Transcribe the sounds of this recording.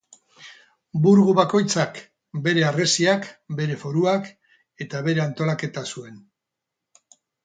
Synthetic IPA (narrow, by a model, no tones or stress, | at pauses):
buɾɣuβako̞jt͡sak | be̞ɾe̞are̞siakbe̞ɾe̞fo̞ɾuak | e̞t̪aβ̞e̞ɾe̞ant̪o̞lake̞t̪asue̞n